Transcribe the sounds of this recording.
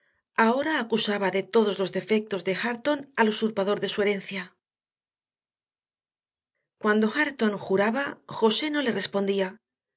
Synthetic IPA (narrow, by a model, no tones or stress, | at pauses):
ao̞ɾaːkusaβaðe̞t̪o̞ðo̞zlo̞zðe̞fe̞k̚t̪o̞zðe̞xaɾt̪o̞nalosuɾpaðo̞ɾðe̞sue̞ɾe̞n̟θja | kwand̪o̞xaɾt̪o̞ŋxuɾaβaxo̞se̞no̞le̞re̞spo̞nd̪ia